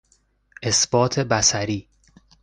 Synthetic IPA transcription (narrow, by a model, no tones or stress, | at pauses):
ʔe̞sb̥ɒːt̪ʰebæsæɾiː